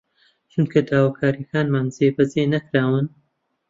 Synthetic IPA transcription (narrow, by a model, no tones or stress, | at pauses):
t͡ʃʰunkʰɐd̪aːwakʰaːɾikʰaːnmaːnzeːbɐzeːnɐkɾaːwɨn